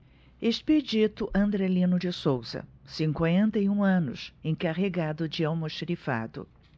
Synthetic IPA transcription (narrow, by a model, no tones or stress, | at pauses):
eʃped͡ʒit̪ʊʔɐ̃nd̪ɾelĩnʊd͡ʒɪsowzɐ̰sĩŋkwẽnt̪ɐiũɐ̃nʊ̰sẽj̃kaʁeɡad̪ʊd͡ʒɪawmoʃɾifa̰d̪ʊ̰